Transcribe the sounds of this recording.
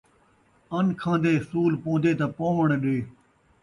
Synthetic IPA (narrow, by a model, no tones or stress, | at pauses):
ənkʰãːnd̪eːsuːlpõːnd̪eːt̪aːpoːʋəɳɗeː